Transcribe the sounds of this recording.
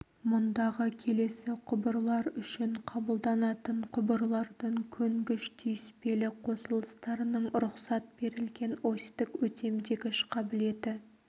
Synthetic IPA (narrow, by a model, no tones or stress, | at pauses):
mʊnd̪ɑʁəkʲʰe̞le̞sɪqʰʊbəɾlˠɑɾʏʃɪɴqʰɑbəlˠd̪ɑnɑt̪əɴqʰʊbəɾlˠɑɾd̪əɴkʲʰɵŋɡʲɪʃt̪ʰyjɪspe̞lɪqʰo̞səlˠəst̪ɑɾənəɴɾʊχqsɑt̪̚b̥e̞ɾɪlɡʲe̞nost̪ɪkwɵt̪ʰe̞md̪e̞ɡʲɪʃqʰɑbɪle̞d̪ɪ